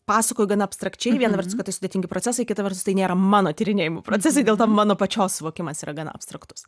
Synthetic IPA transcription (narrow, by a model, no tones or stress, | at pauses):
pɑːsɐkoːjʊɡɐnɐɐpst̪ɾɐkt͡ʃʲɛɪʋʲiɛnɐʋʲɛrt̪ʊs̬kɐt̪ɐɪsʊdʲet̪ʲɪŋʲɡʲɪpɾoːt͡sʲɛsɐɪkʲɪt̪ɐʋʲɛɾt̪ʊst̪ɐɪnʲeːɾɐmɑːnoːt̪ʲɪɾʲɪnʲeːjɪmopɾoːt͡sʲɛs̬ɐɪdʲeːlˠt̪ɐːmɑːnoːpɐt͡ʃʲoːssʊʋoːkʲɪmɐsiːɾɐɡɐnɐ̰ɐ̰pst̪ɾɐkt̪ʊ̥s